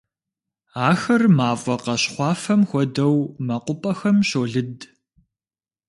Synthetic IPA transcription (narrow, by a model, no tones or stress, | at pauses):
aːxɐrmaːvʷɔqɐɕχʷɑːfɐmxʷɔdɐwmɐqʷʊpʼɐxɐmɕoːɮɨd